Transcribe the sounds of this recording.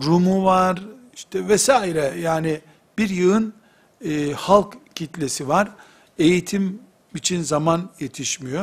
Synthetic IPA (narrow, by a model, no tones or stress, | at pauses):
ɾumuvaɾiʃt̪ʰɛvɛsaːiɾɛjaːni | biɾjɯɯn | ɯhalˠkcʰit̪lʲesivaɾ | e̞jit̪ʰim | it͡ʃʰinzamanje̞t̪ʰiʃmijo